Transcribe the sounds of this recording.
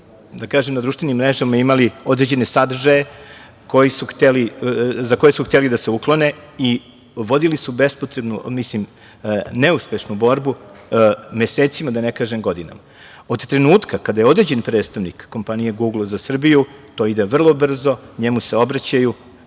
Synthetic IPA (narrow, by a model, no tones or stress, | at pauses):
d̪akaːʒemnad̪ɾuʃt̪venimːɾeʒamaimalio̞d̪ɾe̞d͡ʑe̞ne̞sad̪rʒaje | ko̞jisuxt̪elizako̞jesuxt̪elid̪ase̞uklˠo̞nei | ʋo̞d̪ilisubespo̞t̪ɾe̞bnumislim | neuspe̞ʃnubo̞ɾbu | me̞seːt̪simad̪anekaːʒemɡo̞d̪ina̰ma | o̞d̪t̪ɾe̞nuːt̪kakad̪aje̞o̞d̪ɾed͡ʑe̞npɾe̞ːd̪st̪aʋnikːo̞mpanijeɡuɡlˠzasr̩bijut̪o̞ːid̪e̞ʋr̩lˠo̞br̩zo̞ɲemuse̞o̞bɾat͡ɕaju